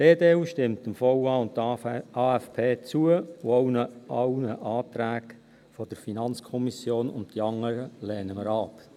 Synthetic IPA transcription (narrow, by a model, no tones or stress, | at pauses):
d̥eːdeːuʃtɪmtɪmfɔwɑʊntɑːæfpʰeːt͡suəooʊnəɑwnəʔɑːtɾæːɡ | fɔd̥əɾfinɑnt͡skʰɔmisjoːnʊ̰nttiɑŋːəɾəlɛːnəməɾɑːp